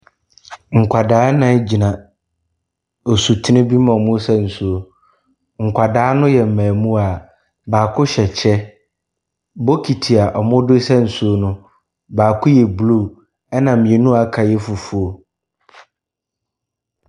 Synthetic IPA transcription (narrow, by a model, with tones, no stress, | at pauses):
ŋ̩˨kʷʰa˨daː˦nã˨˦d͡ʑi˨nã˨ | o˨su˨tʰi˦nɪ̃˦bi˦mã˨mʊ̃˦sɛ˦n̩˨su˨o˨ | ŋ̩˨kʷʰa˨daː˨˦nʊ̃˦jɛ˨m̩˨mɛ̃ː˨mũ˦a˨ | baː˨kʰʊ˦ɕɛ˨t͡ɕʰɛ˦ | bo˦kʰi˨tʰi˨a˨ʔɔ˨mʊ̃˦dʊ˦sɛ˦n̩˨su˨o˦nʊ̃˦ | baː˨kʰʊ˦jɛ˨blu˦˨ | ɛ˦nã˨m̩˨mĩ˨ẽ˨nũ˦a˨kʰa˨jɛ˦fu˨fu˨o˨